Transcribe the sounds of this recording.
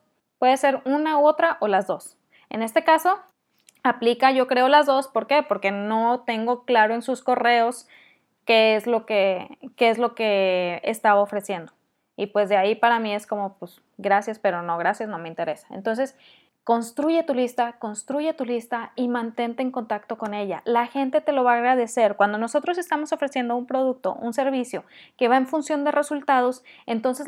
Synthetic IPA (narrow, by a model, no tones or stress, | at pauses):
pwe̞ðese̞ɾunaoot̪ɾaʔo̞lazðo̞s | e̞̰ne̞st̪e̞kaso̞ | aplikaʝo̞kɾe̞olazðo̞spo̞ɾke̞po̞ɾke̞no̞t̪e̞ŋɡo̞klaɾo̞e̞nsusko̞re̞o̞s | ke̞ezlo̞ke̞keezlo̞ke̞ḛst̪aβaofɾe̞sje̞nd̪o̞ | ipwe̞zðeaipaɾamie̞sko̞mo̞pwes | ɡɾasjaspe̞ɾo̞no̞ɣ̞ɾasjasno̞me̞int̪e̞ɾe̞sḁḛnt̪o̞ns̬e̞s | ko̞nst̪ɾuʝe̞t̪ulist̪ako̞nst̪ɾuʝet̪ulist̪aimãnt̪e̞nt̪e̞ːŋko̞nt̪akt̪o̞ko̞ne̞ʝa̰laxe̞nt̪e̞t̪e̞lo̞βaːɣɾað̞e̞se̞ɾkwand̪o̞no̞so̞t̪ɾo̞se̞st̪amo̞so̞fɾe̞sje̞nd̪oumpɾo̞ð̞uk̚t̪o̞̰ʔunse̞ɾβisjo̞ke̞βaeɱfunsjo̞nd̪e̞re̞sult̪að̞o̞se̞nt̪o̞nse̞